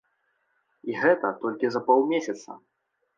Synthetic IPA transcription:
iɣɛt̪ɐt̪ɔlʲkʲizɐpɔw̪ˠmʲesʲɐt̪sɐ̰

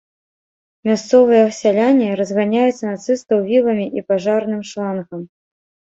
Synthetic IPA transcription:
mʲast̪sɔvɨjɐsʲalʲanʲiɾɐzɣanʲajut̪sːɐnat̪sɨst̪ɐwvʲilˠɐmʲiʔipaʐarnɨmʂlˠanɣɐm

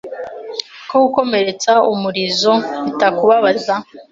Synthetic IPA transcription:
koɡuko̞me̞ɾe̞t͡saumuɾizo̞utakuβaβaza

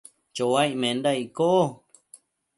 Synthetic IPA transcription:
t͡ʃowaiʔmẽnd̪aikoʔo

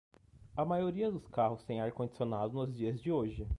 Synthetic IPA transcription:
ɐmajoɾiɐd̪ʊskaɦʊst̪ẽj̃aɾkõd͡ʒisionad̪ʊnʊzd͡ʒiɐzd͡ʒɪoʒɪ

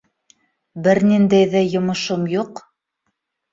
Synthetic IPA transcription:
bɘɾnind̪æjðæjŏmɤ̆ʃomjuq

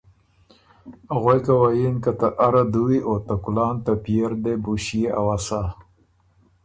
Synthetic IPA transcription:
aɣojkawajinkat̪aʔaɾad̪uwiot̪akulɑːnt̪apieɾd̪ebuʃijeʔawasa

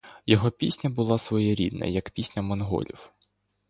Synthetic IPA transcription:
jɔɦɔpʲisʲnʲɐbʊlˠɑsʋɔjɛɾʲḭd̪nɐ̰jɐkpʲisʲnʲɐmɔnɦɔ̰lʲḭw

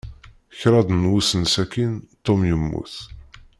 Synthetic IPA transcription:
çɾˤɑd̪ˤnwusənsækint̪ːomjəmːṵθ

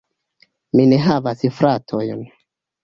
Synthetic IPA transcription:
mineɦavasfɾatʰojn

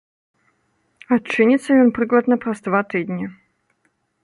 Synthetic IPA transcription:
ɐt͡ʂːɨnʲɪt̪sːəlʲonpɾɨɡlˠət̪nɐpɾɐst̪vat̪ɨd̪ʲnʲa

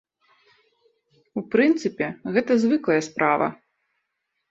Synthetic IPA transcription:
upɾɨnt̪sɨpʲɛɣɛt̪ɐzvɨklˠɐjɐspɾʔavɐ̰

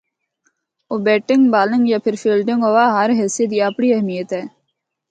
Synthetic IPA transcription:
oːbɛːʈɪ̃ŋɡbaːlɪ̃ŋɡjaːpʰɪɾfiːlɖɪŋɡɦoːʋaːɦəɾɦɛːsijət̪iaːpɳiːəɦmijət̪ɦɛː

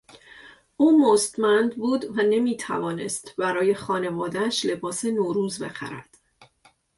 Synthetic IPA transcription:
ʔuːmost̪mænd̪buːd̪væne̞miːt̪ʰæ̰vɒːne̞̰st̪bæɾɒːje̞xɒːne̞vɒːd̪ææʃle̞bɒːsenoːɾuːzbe̞̰xæ̰ɾæ̰d̪̥

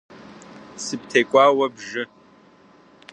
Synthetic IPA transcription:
sɨp̚ʰtʰejkʷʼaːwɐbʒɪ

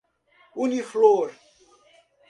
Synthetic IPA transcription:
unifloɾ

